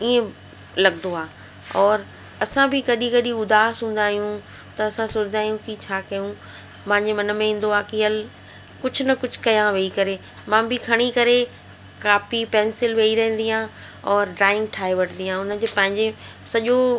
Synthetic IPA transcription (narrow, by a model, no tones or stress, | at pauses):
iẽ | lɐɡnoaː | ɔːɾ | ɐsãbʱɪkɐɗĩkɐɗĩʊd̪aːsɦũːn̆d̪aːɦijũ | t̪ɐɐsãsoːt͡ɕɪd̪aːɦijũkit͡ɕʰaːkɐjũ | mãɦɪ̃ɲd͡ʑemɐnə̆mẽɦĩːn̆d̪oaːkɪɦɐl | kʊd͡ʑʱʊnɐkʊd͡ʑʱʊ̥kɐjãʋeːikɐɾe | mãːbɪkʰɐɽ̃ikɐɾe | kaːfipɛ̃ːnsɪlʋeiɾɐɦə̃n̆d̪iãː | ɔːɾɖɾaːɪ̃ŋɡ̚ʈʰaːeʋɐʈʰnd̪iãʊnə̆d͡ʑepɐ̃ɦɪ̃ɲd͡ʑe | sɐʄo